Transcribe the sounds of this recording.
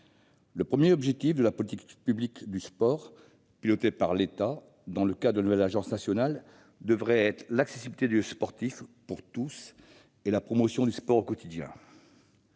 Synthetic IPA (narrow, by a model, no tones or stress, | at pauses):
ləpχəmjeɔbʒɛk̚t̪ifd̪əlapɔlit̪ikpyblikd̪yspɔʁ | pilɔt̪epaʁlet̪a | d̪ɑ̃ləkad̪əlnuvɛlaʒɑ̃snasjɔnal | d̪əvʁɛɛt̪χlaksesibilit̪ed̪yspɔʁt̪ifpuʁt̪us | elapχɔmɔsjɔ̃d̪yspɔʁokɔt̪id̪jɛ̰̃